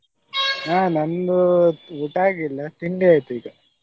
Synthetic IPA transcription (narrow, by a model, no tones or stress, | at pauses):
aːnɐnd̪uuʈaːɡilːɐt̪iɳɖeaːjt̪uiːɡɐ